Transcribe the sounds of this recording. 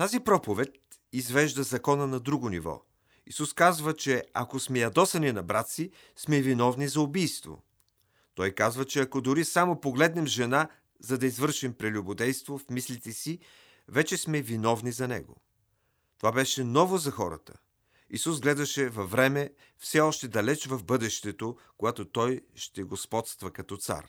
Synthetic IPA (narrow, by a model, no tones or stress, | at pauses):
t̪azipɾɔpovɛt̪̚ | izvɛʒd̪ɐzɐkɔnənɐd̪ɾuɡonḭvɔ̰ | isuskazvət͡ʃɛɐ̰kosmɛjɐd̪ɔsɐninɐbɾat̪si | smɛvinɔvnizɐʊbijst̪vo̰ | t̪ɔjkazvət͡ʃɛɐkod̪ʊɾisamopoɡlɛd̪nɛmʒɛna | zɐd̪ɐizvɤɾʃimpɾɛlʲubod̪ɛjst̪vofmislit̪ɛsi | vɛt͡ʃɛsmɛvinɔvnizɐnɛ̰ɡo̰ | t̪ovabɛʃɛnɔvozɐxɔɾə̰t̪ə̥̰ | isusɡlɛd̪ɐʃɛvɐvːɾɛmɛ | fsɛɔʃt̪ɛd̪ɐlɛt͡ʃvɐvbɤd̪ɛʃt̪ɛt̪o | koɡat̪ot̪ɔjʃt̪ɛɡospɔt̪st̪vɐkɐt̪ɔt̪sa̰ɾ